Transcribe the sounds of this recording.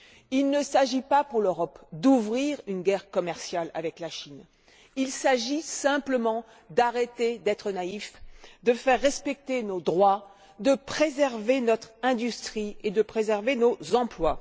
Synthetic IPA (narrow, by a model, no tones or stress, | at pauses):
ilnəsaʒipapuʁløʁɔpd̪uvʁiʁynɡʲɛʁkɔmɛʁsjala̰vɛklaʃin | ilsaʒisɛ̃pləmɑ̃ | d̪aʁet̪ed̪ɛt̪χənaifd̪əfɛʁːɛspɛk̚t̪enod̪ʁwa | d̪əpχezɛʁvenɔt̪χɛ̃d̪yst̪χied̪əpχezɛʁvenozɑ̃plwa